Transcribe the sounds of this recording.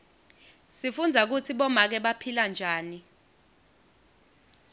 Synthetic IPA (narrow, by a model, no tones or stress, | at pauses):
sifund͡zʱak̬ut͡sʰiɓɔmak̬ɛɓapʰiland͡ʒʱaːni